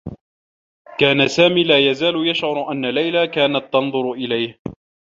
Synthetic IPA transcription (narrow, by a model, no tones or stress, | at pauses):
kaːnasaːmiːlaːjazaːlʊjaʃʕʊɾˤʔanːalajlakaːnat̪ːɑnðˤʊɾʔɪlajh